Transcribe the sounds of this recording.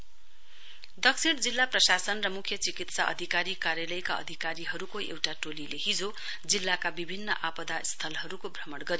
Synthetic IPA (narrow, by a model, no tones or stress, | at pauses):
d̪ʌksiɽd͡zilːaprʌsasʌnrʌmukʰjʌt͡sikit̪saʔʌ̰d̪ʱikaɾikaɾjalʌjkaʌ̰d̪ʱikaɾiɦʌɾukoḛwʈaʈolilehid͡zo | d͡zilːakabibʱinːʌʔapʌd̪ast̪ʰʌlɦʌɾukobʱrʌmʌɽɡʌɾio